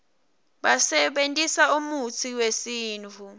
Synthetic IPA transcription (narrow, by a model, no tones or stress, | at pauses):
ɓasɛɓentʼisaumut͡sʰiwesiːnt͡fʰu